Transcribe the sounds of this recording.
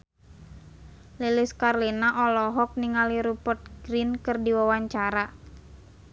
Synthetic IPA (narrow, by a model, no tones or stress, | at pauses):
liliskarlinaʔɔlɔɦɔk̚niŋaliɾupɔt̪̚ɡɾinkɨrdiwawaɲt͡ʃaɾa